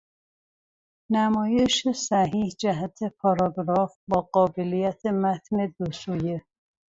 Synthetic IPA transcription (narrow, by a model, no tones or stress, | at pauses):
næmɒːje̞ʃesæɦiːhd͡ʒæɦæt̪ʰepʰɒɾɒɡɾɒːfbɒːɢɒːbelijæt̪ʰemæt̪ne̞d̪osuje